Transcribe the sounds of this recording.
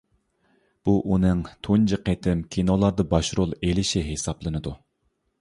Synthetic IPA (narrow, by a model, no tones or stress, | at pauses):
b̥uʔunɨŋt̪ʰond͡ʒɨqʰet̪ʰɪmkʲʰinolˠɑɾd̪ɑbɑʃɾolˠelɪʃiɦesɑplˠɨnɨd̪u